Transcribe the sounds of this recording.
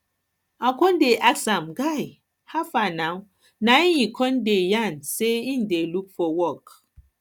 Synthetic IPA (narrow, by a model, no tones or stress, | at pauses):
akɔ̃ndeʔaksãmɡaj | hafanaw | najikʰɔ̃ndejanseĩndelukfɔwɔk